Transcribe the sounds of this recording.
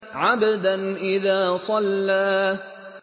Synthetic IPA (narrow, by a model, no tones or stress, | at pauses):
ʕabad̪anʔɪðaːsˤɑlːaː